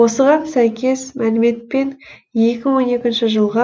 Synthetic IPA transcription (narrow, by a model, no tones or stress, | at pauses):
wo̞səʁɑnsæjkʲe̞smælɪme̞t̪̚pe̞nje̞kʲɪwo̞ne̞kʲɪnʃɪʒəlˠʁɑ